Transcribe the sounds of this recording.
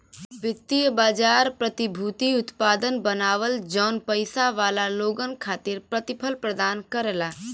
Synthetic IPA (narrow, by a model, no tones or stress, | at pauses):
ʋɪt̪ːijəbaːd͡ʒaːɾpɾət̪ɪbʱuːt̪iʊt̪paːd̪ənbənaːʋəld͡ʒɔːnpəɪsaʋaːlaloːɡənkʰaːt̪ɪɾpɾɐt̪ɪpʰəlpɾəd̪aːnkəɾelaː